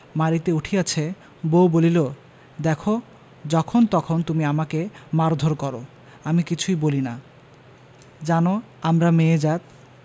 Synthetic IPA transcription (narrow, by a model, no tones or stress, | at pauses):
maɾit̪euʈʰiat͡ɕʰe | bowbolilo | d̪ɛkʰo | d͡ʑɔkʰont̪ɔkʰont̪umiamakemaɾd̪ʱoɾkɔɾo | amikit͡ɕʰujbolina | d͡ʑano | amɾameed͡ʑat̪̚